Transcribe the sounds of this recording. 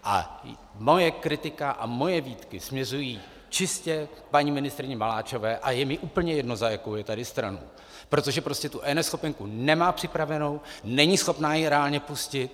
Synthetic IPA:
ʔa̰ | mo̞jɛkɾɪt̪ɪkaʔa̰mo̞jɛviːt̪kɪsmɲɛrujiː | t͡ʃɪscɛpaɲimɪnɪst̪ɾɪɲɛmalaːt͡ʃo̞vɛːʔajɛmɪʔuːpl̩ɲɛjɛdno̞zajakowjɛt̪adɪst̪ɾano̰ | pɾo̞t̪o̞ʒɛpɾo̞scɛt̪uʔɛnɛsxo̞pɛŋkunɛmaːpr̥ɪpɾavɛno̞wnɛɲiːsxo̞pnaːjɛɾɛaːlɲɛpuscɪt̪

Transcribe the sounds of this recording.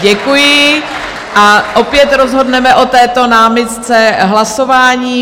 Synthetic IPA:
ɟɛkujɪ | ʔaʔopjɛt̪ɾozɦo̞dnɛmɛʔo̞t̪ɛːt̪o̞naːmɪt̪t͡sɛɦlaso̞vaːɲiː

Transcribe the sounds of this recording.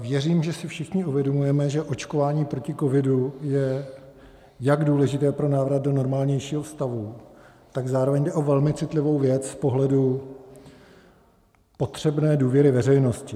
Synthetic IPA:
vjɛriːmʒɛsɪfʃɪxɲɪuvjɛdo̞mujɛmɛʒɛʔo̞t͡ʃko̞vaːɲiːpɾo̞cɪko̞vɪdujɛ | jaɡduːlɛʒɪt̪ɛːpɾo̞naːvɾat̪̚do̞no̞ɾmaːlɲɛjʃiːɦofst̪avu | t̪aɡzaːɾovɛɲdɛʔo̞vɛlmɪt͡sɪt̪lɪvo̞wvjɛt͡sspo̞ɦlɛdu | po̞t̪r̝̥ɛbnɛːduːvjɛɾɪvɛrɛjno̞scɪ

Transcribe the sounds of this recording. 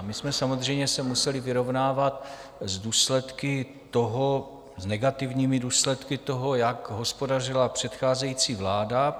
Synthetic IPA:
mɪsmɛsamozr̝ɛjɲɛsɛmusɛlɪvɪɾo̞vnaːvat̪zduːslɛt̪kɪ | t̪o̞ɦo | znɛɡat̪ɪvɲiːmɪduːslɛt̪kɪt̪o̞ɦo̞jakɦo̞spo̞dar̝ɪlapr̝̥ɛt̪xaːzɛjiːt͡siːvlaːda

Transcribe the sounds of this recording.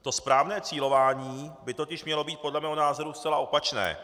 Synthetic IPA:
t̪o̞spɾaːvnɛːt͡siːlo̞vaːɲiːbɪt̪o̞cɪʃmɲɛlo̞biːt̪̚podlɛmɛːɦo̞naːzo̞ɾust͡sɛlaʔo̞pat͡ʃnɛ̰ː

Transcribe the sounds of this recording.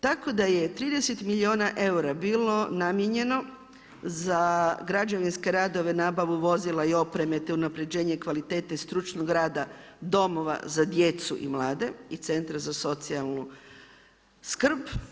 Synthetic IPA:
t̪ako̞d̪aje̞t̪ɾiːd̪e̞set̪milioːnaʔe̞uɾabiːlo̞namjeɲe̞no̞ | zaɡɾad͡ʒaʋinske̞ɾaːd̪o̞ʋe̞naːbaʋuʋo̞zilˠaio̞pɾe̞me̞t̪eunapɾe̞d͡ʑe̞ːɲekʋalit̪e̞ːt̪aist̪ɾut͡ʃnoɡɾaːd̪ad̪o̞mo̞ʋa̰zad̪je̞t̪sṵʔḭmlˠaːd̪e̞it̪se̞nt̪ɾazaso̞t̪sialˠnu | skr̩b

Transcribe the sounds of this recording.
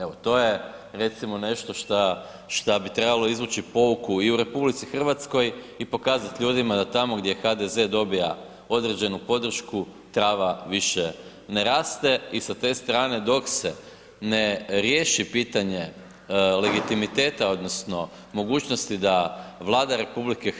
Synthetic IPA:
e̞ʋo̞t̪o̞ːje̞ | ɾe̞t̪simo̞ne̞ʃt̪o̞ʃt̪a | ʃt̪abit̪ɾe̞balˠo̞izʋuːt͡ʃipo̞ukuiuɾe̞publit̪sixr̩ʋat̪sko̞j | ipo̞kaːzat̪ʎuːd̪imad̪at̪amo̞ɡd̪jexad̪e̞ze̞d̪o̞bija̰ | o̞d̪ɾe̞d͡ʑe̞nupo̞d̪r̩ʃkut̪ɾaːʋaʋiʃe | ne̞ɾaːst̪e̞isat̪e̞ːst̪ɾaːne̞d̪o̞kse̞ | neɾje̞ːʃipiːt̪aɲe̞ | le̞ɡit̪imit̪e̞ːt̪ao̞d̪no̞sno̞ | mo̞ɡuːt͡ɕno̞st̪id̪aʋlˠaːd̪aɾe̞publike

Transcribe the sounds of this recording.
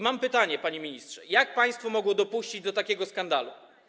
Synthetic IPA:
mampɘt̪aɲɛpaɲemʲiɲist̪ʂɛjak̚paj̃st̪fɔmɔɡwɔd̪ɔpuɕt͡ɕid͡ʑd̪ɔt̪akʲɛɡɔskand̪alṵ

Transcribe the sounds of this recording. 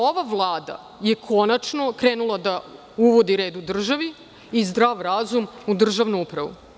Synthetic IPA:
o̞ʋaʋlˠaːd̪a̰ | je̞kʰo̞nat͡ʃno̞kɾe̞ːnulˠad̪a | uʋo̞d̪iɾeːd̪ud̪r̩ʒaʋi | izd̪ɾaːʋɾazumud̪r̩ʒaʋnuupɾaʋṵ

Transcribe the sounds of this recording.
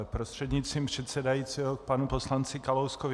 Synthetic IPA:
pɾost̪r̥ɛd̪ɲɪt͡s̪st̪ɾiːmpr̝̥ɛt̪sɛdajiːt͡siːɦokpanuposlant͡sɪkalowskov

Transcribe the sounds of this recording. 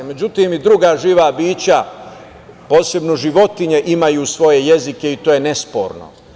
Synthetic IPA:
me̞d͡ʑut̪imid̪ɾuɡaːʒiːʋabiːt͡ɕa | po̞ːse̞bnoʒiʋo̞t̪iɲeʔimajusʋo̞je̞je̞zike̞it̪oːje̞ne̞spo̞̰ːɾno̰

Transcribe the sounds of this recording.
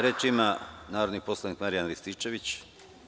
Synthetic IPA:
ɾet͡ʃimanaːɾod̪nipo̞slˠaniːkmaɾijanlist̪iːt͡ʃe̞ʋit͡ɕ

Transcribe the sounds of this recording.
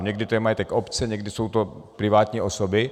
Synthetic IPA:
ɲɛɡdɪt̪ojɛmajit̪ɛkopt͡sɛɲɛɡdɪsowt̪o | pɾɪvaːt̪ɲiːʔosobɪ

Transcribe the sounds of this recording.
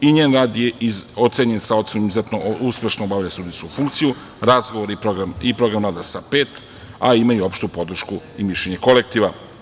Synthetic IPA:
iɲeːnɾaːd̪jeiot̪seɲensaot̪senomizuzet̪nouspʲje̞ʃnoobaʋʎasud̪iskufuŋkt̪siju | ɾazɡoʋoɾipɾoɡɾamipɾo̞ɡɾamɾaːd̪asape̞ːt̪ | aimajuopʃt̪upod̪r̩ʃkuimiʃleɲe̞ko̞lek̚t̪iʋa

